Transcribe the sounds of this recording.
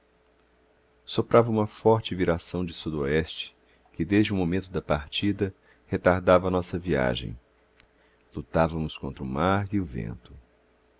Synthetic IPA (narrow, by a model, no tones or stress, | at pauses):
sopɾavɐũmɐfɔɾt͡ʃɪviɾasɐ̃w̃d͡ʒɪsud̪oɛst͡ʃɪ̥ | kɪd̪ezd͡ʒɪũmomẽnt̪ʊd̪ɐpaɾt͡ʃid̪ɐ | het̪aɾd̪avɐːnɔsɐvia̰ʒḛ̃j̃ | lut̪avɐmʊskõnt̪ɾʊmaɾiʊvḛ̃nt̪ʊ̥